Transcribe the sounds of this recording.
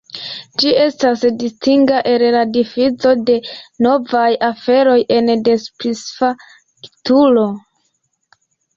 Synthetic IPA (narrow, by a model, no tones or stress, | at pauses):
d͡ʒie̞stasdistiŋɡaʔe̞lladifit͡so̞de̞no̞vajafe̞ɾo̞je̞nde̞spɾisfa | kitulo̞